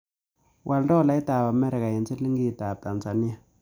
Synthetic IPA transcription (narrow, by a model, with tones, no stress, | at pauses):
wʔa˨ldɔ˦la˨˦jta˨ba˨mɛ˦ɾɛ˨ka˨ji˨nt͡si˦li˦ŋɡi˦˨ta˨ta˨nsa˨ni˦a˨